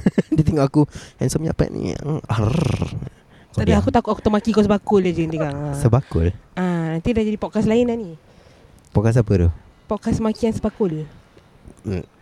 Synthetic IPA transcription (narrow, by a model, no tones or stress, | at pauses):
dət̪eŋɔʔakuɛnsɔmia̰pɛ̰ʔnḭa̰ŋa | t̪aʔdaakut̪akʊt̪akut̪əmakikɔsəbakʊlad͡ʒəniɡaŋasəbakʊ̰lanant̪idahd͡ʒadipɔʔkaslainani | pɔʔkas̬apət̪u | pɔʔkasəmakiansəbakʊl